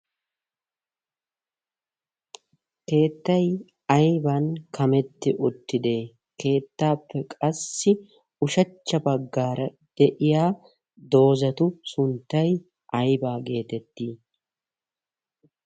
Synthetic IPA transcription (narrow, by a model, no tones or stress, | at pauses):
ke̞ːt̪ːɐj | ɐjbɐnkɐmɛt̪ːɪʔʊt̪ːɪd̪eː | ke̞ːt̪ːaːpːɛkʼɐsːɪ | ʊʃɐt͡ʃːɐbɐɡːaːɾɐ | d̪̥ɛʔɪjaː | d̪o̞ːzɐt̪ʊsʊnt̪ːɐj | ʔɐjbaːɡe̞ːt̪ɛt̪ːiː